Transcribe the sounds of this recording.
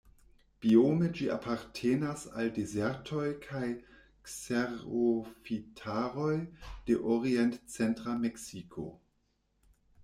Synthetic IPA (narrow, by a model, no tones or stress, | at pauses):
b̥iomed͡ʒiʔa̰pʰaɾtʰeːnasa̰ldezeɾtʰo̞jkʰaj | kseʁofitʰaɾo̞jd̥eʔoʁientt͡sentʁameksikʰo̰